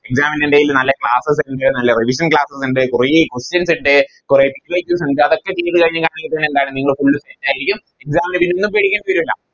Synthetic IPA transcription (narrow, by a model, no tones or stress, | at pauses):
eksaːmɐniɳdejilnɐlːɐkɭaːsɐs̬ɳɖɨnɐlːɐriʋiʂ̬ɐnkɭaːsɐsiɳɖɨkurejkwestɐnsiɳɖɨ | kurejpiɾoːikʲːumsiɳɖɨɐðokːe̞t͡ɕeːʈ̪ːɨkɐɻiɲːɨkaːɳiːɐt̪ːeɳend̪aːjɳɨniːŋːɐɭfuɭːɨsetːaːjiɾikʲːum | eksaːminɨpinːeonːumpeɽikʲːeɳɖɨuʋɐɾuɐlːɐ̰